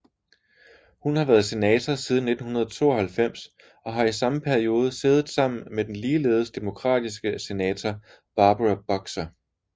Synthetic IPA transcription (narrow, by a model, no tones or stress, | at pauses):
hunhɑ̈ʋæːɐð̞̩ˠse̝nɛːt͡sʰɐsiːðˠn̩ːe̝d̥n̩hunɐð̞ˠɒt͡sʰo̝̰ːɒ̽hælfem̰s | ɒ̽ɦɑ̈isɑ̈məpʰæɐio̝ːð̞ˠəse̝ːð̞ˠð̩ˠsɑ̈m̰n̩med̥enliːle̝̰ːð̞ˠəsd̥e̝mo̝kʰʁɑ̰̈ːd̥is̬ɡ̥əse̝nɛːt͡sʰɒ | b̥ɑ̈ːb̥ʁɑb̥ɒ̽ɡ̥sɐ